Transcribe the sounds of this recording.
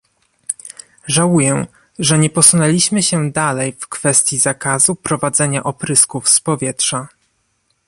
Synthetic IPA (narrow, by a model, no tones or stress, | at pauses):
ʐawujɛ | ʐɛɲɛpɔsunɛlʲiɕmɘɕɛd̪alɛjfkfɛst̪ʲjizakazupɾɔvad̪zɛɲaʔɔpɾɘskufspɔvʲjɛtʂa